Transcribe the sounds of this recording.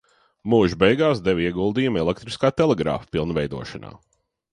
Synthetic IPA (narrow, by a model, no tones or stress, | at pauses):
muːʒbejɡaːsd̪ɛvʲiɛɡulˠd̪iːjumɛlˠek̚t̪ɾiskaːt̪ɛlˠeɡɾa̰ːfpilˠnvɛjd̪uɔʃana̰ː